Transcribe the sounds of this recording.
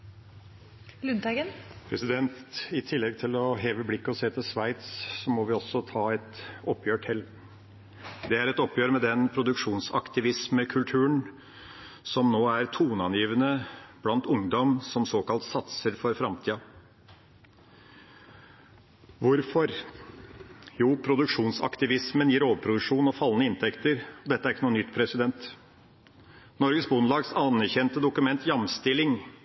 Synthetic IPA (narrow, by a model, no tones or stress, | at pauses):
lʉnd̪ɑɡənpʰɾɛsɪd̪ɛnt̪ɪt̪ʰɪlːɛɡ̚t̪ʰɪlɔɦeːʋəblɪkːəɔseːt̪ʰɪlsʋæɪt̪ssɔmɔʋɪɔsːɔt̪ʰɑːɛt̪ɔpʰːjøːʈʰɛlː | d̪ɛæɾɛt̪ɔpjøːɾmɛd̪ɛnpʰɾʊd̪ʉkʂuːnsɑ̰kt̪ɪʋɪsməkʰʉlt̪ʰʉːəɳ | sɔmnoːæɾt̪ʰuːnɑnjiːʋənəb̥lɑnt̪ʊŋd̪ɔmsɔmsoːkɑlt̪sɑt̪səɾfɔɾfɾɑmt̪ʰiːɑ | ʋʊɾfɔɾ | juːpʰɾʊd̪ʉkʂuːnsɑ̰kt̪ɪʋɪsmənjiːɾoːʋəpʰɾʊd̪ʉʂuːnɔfɑlːnəɪnt̪ʰɛkt̪əɾɔd̪ɛt̪ːæɾɪkːənuːnʏt̪ːpʰɾɛsɪd̪ɛnt̪ | nɔɾɡəsbʊnlɑːɡsɑnæɾçɛnt̪əd̪ʊkʉmɛnt̪ʰjɑmst̪ɪlːɪŋ